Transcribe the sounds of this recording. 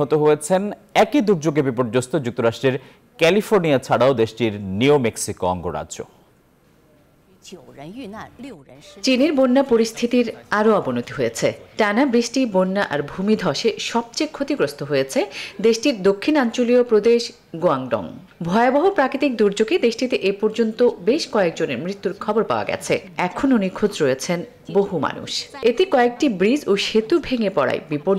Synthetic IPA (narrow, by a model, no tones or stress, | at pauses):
ɦot̪oɦojet͡ɕʰen | ɛkid̪uɾd͡ʑoɡebipoɾd͡ʑost̪od͡ʑuk̚t̪oɾaʃʈɾeɾ | kɛlifoɾniat͡ɕʰaɽaod̪eʃʈiɾniomeksikoɔ̰ŋɡoɾa̰o̰ | t͡ɕiniɾbonːapoɾist̪ʰit̪iɾaɾoabonot̪iɦojet͡ɕʰeʈanabɾiʃʈibonːaʔaɾbʱumid̪ʱɔʃeʃɔb̚t͡ɕejkʰot̪iɡɾost̪ʰoɦojet͡ɕʰed̪eʃʈiɾd̪okʰːinant͡ɕoliopɾod̪eʃ | ɡoaŋɖɔ̰ŋ | bʱɔeabɔɦopɾakit̪ik̚d̪uɾd͡ʑoɡed̪eʃʈit̪eʔepɔɾd͡ʑont̪obeʃkɔek̚d͡ʑoneɾmɾit̪ːuɾkʰɔboɾpa̰oa̰ɡɛ̰t͡ɕʰeɛkʰononikʰod͡ʑɾojet͡ɕʰen | boɦuma̰nṵʃet̪ekɔek̚ʈibɾid͡ʑoʃet̪ubʱeŋepɔɽa̰j̰bipoɾ